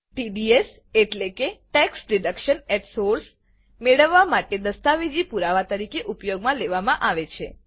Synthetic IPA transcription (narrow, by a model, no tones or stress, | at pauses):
ʈiɖies | eʈlekeʈɛksɾɪɖəkʃəneʈsoɾs | meɭəʋːamaʈed̪əst̪aʋid͡ʒipuɾaʋat̪əɾikeʔupjoɡmãleʋamãʔaʋet͡ʃʰe